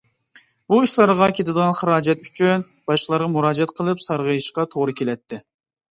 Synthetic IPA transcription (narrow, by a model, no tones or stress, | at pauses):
b̥uiʃlˠɑɾʁɑkʲʰet̪ɪd̪əʁɑnχəɾɑːd͡ʒɛt̪y̥t͡ʃʰyn | b̥ɑʃqəlˠɑɾʁɑmuɾɑːd͡ʒɛt̪qʰəlˠɨpsɑɾʁəjiʃqɑt̪ʰoʁɾɨkʲʰelɛt̪ʰːɪ